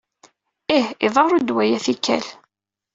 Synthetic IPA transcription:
ihiðˤɑɾˤud̪wæjæθikːæ̰l

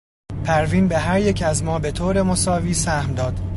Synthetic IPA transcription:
pʰæɾviːnbe̞ɦæɾje̞cʰæzmɒːbe̞t̪ʰoːɾe̞mosɒːviːsæhmd̪ɒːd̪̥

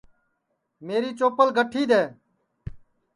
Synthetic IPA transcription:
meːɾiːt͡ʃoːpəlɡʱəʈʰiːd̪eː

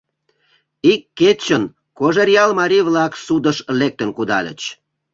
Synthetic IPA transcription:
ikːet͡ɕən | koʒerjɑlmɑɾʲiβlɑksud̪əʃlek̚t̪ənkud̪ɑlʲə̰t͡ɕ

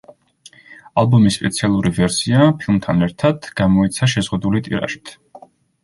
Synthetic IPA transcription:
alˠbɔmispʼɛ̰t̪sʰialˠuɾivɛɾsiapʰilˠmt̪ʰanɛɾt̪ʰad̪̥ɡ̥amɔit̪sʰaʃɛzʁud̪ulit̪ʼḭɾa̰ʃi̥t̪ʰ

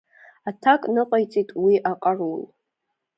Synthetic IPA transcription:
atʰakʼnɨqʼajt͡sʼijtʼwiʔaqʼarul

